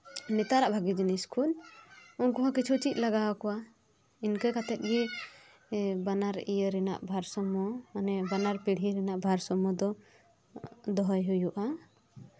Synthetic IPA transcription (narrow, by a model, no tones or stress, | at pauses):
nɛt̪aɾaʔbʱaɡid͡ʒiniskʰulɔnkɔɦãkit͡ʃʰut͡ʃic̪̚laɡawakɔwa | inkakat̪ɛt̪̚ˀɡi | banaɾijəɾɛna̰ʔbʱaɾsɔmɔnɛbanaɾpiɽ̤iɾɛnaʔbʱaɾsɔmɔd̪ɔ | d̪ɔɦɔjɦujuʔa